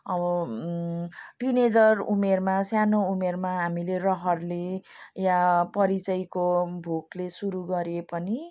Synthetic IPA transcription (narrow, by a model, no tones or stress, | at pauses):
ʌbʌ | ʈined͡zʌrumermasjanoumermaɦamilerʌɦʌrlejapʌɾit͡sʌjkobʱuklesuɾuɡʌɾepʌni